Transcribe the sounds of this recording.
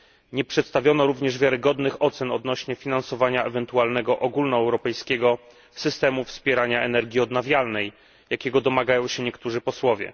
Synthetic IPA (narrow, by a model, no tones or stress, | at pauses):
ɲɛpʂɛt̪st̪avʲjɔnɔɾuvɲɛʐvʲjaɾɘɡɔd̪nɘxɔt̪sɛnɔd̪nɔɕɲɛfʲinansɔvaɲaɛvɛnt̪ualnɛɡɔʔɔɡulnɔɛwɾɔpɛjskʲɛɡɔ | sɘst̪ɛmufspʲjɛɾaɲaɛnɛɾɡʲjiɔd̪navʲjalnɛj | jakʲɛɡɔd̪ɔmaɡajɔ̃w̃ɕɛɲɛkt̪uʐɘpɔswɔvʲjɛ̰